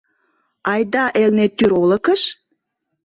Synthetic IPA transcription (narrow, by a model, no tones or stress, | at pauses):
ɑjd̪ɑʔelnet̪ːyɾolə̆kəʃ